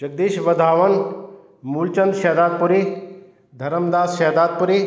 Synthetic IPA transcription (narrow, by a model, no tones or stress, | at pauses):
d͡ʒɐɡ̚d̪iːʃʋɐd̪ʱaːʋɐn | muːlt͡ʃɐnd̪ʃɛd̪aːd̪̚puɾi | d̪ʱɐɾəmd̪aːsʃɛːd̪aːd̪̚puɾi